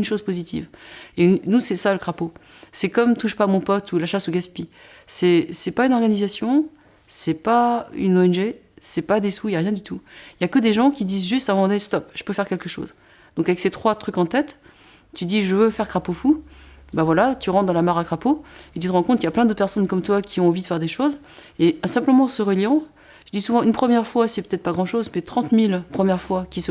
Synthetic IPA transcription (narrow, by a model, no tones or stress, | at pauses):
ynʃozpozit̪ḭvenusɛsaləkχapo | sɛkɔmt̪uʃpamɔ̃pɔt̪ʰulaʃasuɡʲaspi | sɛsɛpaynɔʁɡanizasjɔ̃ | sɛpay̰noɛnʒe | sɛpad̪esujaʁjɛ̃d̪yt̪uiljakəd̪eʒɑ̃kʲid̪izʒyst̪ammɑ̃d̪est̪ɔpʒə̥pøfɛʁkʲɛlkəʃo̰z | d̪̥ɔ̃kavɛkset̪χwat̪χykɑ̃t̪ɛt̪ | t̪yd̪iʒəvøfɛʁkχapofubavwalat̪yʁɑ̃t̪d̪ɑ̃lamaʁakχapoet̪yt̪əʁɑ̃kɔ̃t̪kiljaplɛ̃d̪ot̪pɛʁsɔnkɔmt̪wakʲiɔ̃ɑ̃vid̪əfɛʁd̪eʃoz | ẽsɛ̃pləmɑ̃səʁeljɑ̃ | ʒ̥əd̪isuvɑ̃ynpχəmjɛʁfwasɛpø̥t̪ɛt̪χpaɡʁɑ̃ʃozmɛt̪χɑ̃t̪milpχəmjɛʁfwakʲisə